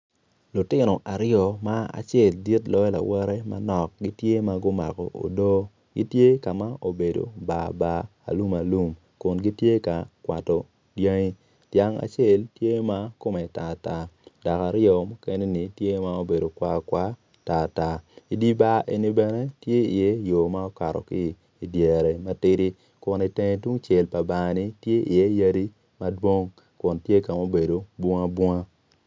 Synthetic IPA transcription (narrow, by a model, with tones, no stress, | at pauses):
lʊ˨tɪ˦nɔ˨ʔa˨ɾɪɔ˨ma˦a̰˨t͡ʃjɛ˨ldi˦tlɔ˦ɛ˦la̰˨wɛ˦ɾɛ˦ma̰˦nɔ˨k̚ɡi˦tje˦ma˦ɡʊ˦ma̰˨kɔ̰˨ʔo̰˨do˦ | ɡḭ˦tje˦ka˨ma˦o˨be˨do̰˨ba˨ba̰ː˦˨lu˦ma˨lu˦m | kʊ˨nɡi˦tje˦ka˨kwa˨tɔ˨ | dja˦ŋi˦ | tja˦ŋa̰˨t͡ʃe˦˨ltje˦ma˦ko˦mɛ˨ta˨ta˨˦d̥a˨ka˨ɾjɔ˨mɔ˦kɛ˦ne˦ni˨tje˦ma˦o˦be˨do˨kwa˦kwa˦ | ta˨ta˦i˨di˦ba˦ʔe˨ni˦bɛ˨nɛ˦tje˦i˨je˦jo˨ma˦ɔ˦ka˨ɾɔ̰˨kiː˦˨ | djɛ˨ɾe˨ma˦tɪ˦ɾi˦ | kʊ˨ni˨te˦ŋe˦tu˦ŋt͡ʃɛ˨lpa˨ba˨ŋa˨ni˦tje˦ḭ˨je˦ja˦ɾi˦ | ma˦dwo˦ŋ | kʊ˨ntje˦ka˨mo˦be˨do˨bɔ˦ŋa˦bwɔ˦ŋa˦